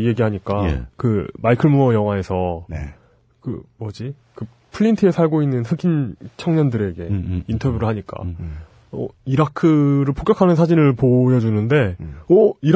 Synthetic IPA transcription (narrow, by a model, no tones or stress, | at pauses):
ije̞ɡiɦaɲik͈a̰kɯmaikʰɯɭmuʌjʌŋɦwae̞sʰʌn | kɯ̰ʌd͡ʑi | kɯ | pʰɯʎintʰɯe̞sʰaɭɡoinːɯnɸɯɡʰint͡ɕʰʌŋɲʌndɯɾe̞ɡe̞intʰʌbjuɾɯɭɦaɲik͈a̰ | ʌ̰iɾakʰɯɾɯɭpʰokjʌkʰanɯnsʰad͡ʑinɯɭpojʌd͡ʑunɯnde̞ʌiɾ